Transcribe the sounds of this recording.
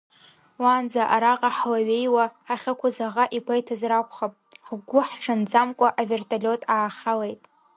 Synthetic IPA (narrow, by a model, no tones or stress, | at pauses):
wand͡zaʔaɾaqʼaħlaɥe̞jwaħaχʲakʷʰazaʁaʔiɡʷajtʰazrakʷʰʼχapʼħɡʷʊħʈ͡ʂʰand͡zamkʷʼaʔave̞rtʰʼalʲo̞tʼaːχʲalejtʼ